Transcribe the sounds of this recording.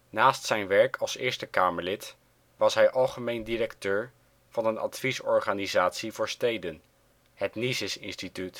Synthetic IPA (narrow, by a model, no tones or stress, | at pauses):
naːstsɛjnʋɛɹkʰɑlˠsɪːɹstəkaːməɹlɪt | ʋɑsɦɛjʔɑlˠχəmejndiɾɛktøːɹ | v̥ɑnənɑ̰tfisɔɹχaːnizaːtsivʊːɹstejdən | hətnizɪsɪ̰nstityt